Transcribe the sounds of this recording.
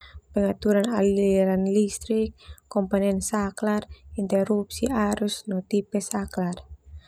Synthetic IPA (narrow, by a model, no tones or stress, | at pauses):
pɛŋat̪uɾanalɾanlist̪ɾik̚ːɔmpɔnɛnsaklarint̪ɛɾupsiʔaɾusnɔt̪ipɛsaklar